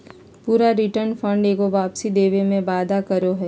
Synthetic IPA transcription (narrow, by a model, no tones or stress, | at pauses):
puːɾaɾɪʈəɾnfʰə̃ɳɖeːkoʋaːpsid̪eːʋemẽbaːd̪ʱakəɾoɦɛː